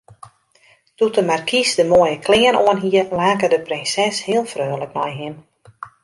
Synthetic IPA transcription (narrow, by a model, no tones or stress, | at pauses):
tutəmarkʰisdəmoəjəkʰlɪənoənɦiəlaːkədəprɪnsɛshɪəlˠfrøːləknɔjɦɪn